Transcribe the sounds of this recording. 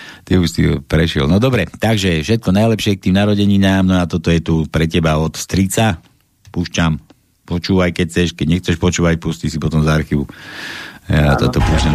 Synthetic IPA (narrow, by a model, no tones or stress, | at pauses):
t̪iuʃsḭpɾɛʃɪɛ̰lnɔd̪ɔbɾɛt̪aɡʒɛfʃɛt̪̚kɔnajlɛpʃɪɛk̚t̪iːmnaɾɔɟɛɲiɲaːmnɔat̪ɔt̪ɔjɛt̪upɾɛcɛbaɔt̪fst̪ɾit͡sa | puʃt͡ʃam | pɔt͡ʃuːʋajkɛc̚t͡sɛʃkɛɟɲɛxt͡sɛʃpɔt͡ʃuːʋacpusciʃsipɔt̪ɔmzaɾxiʋu | at̪ɔt̪ɔpua